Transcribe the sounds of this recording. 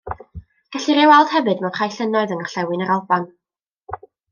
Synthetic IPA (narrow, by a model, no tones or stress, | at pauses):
ɡ̥ɛɬiɾɛwalˠd̥hɛvɨdmanχajɬənɔɨðənɔrɬɛwɨnəɾɔlˠban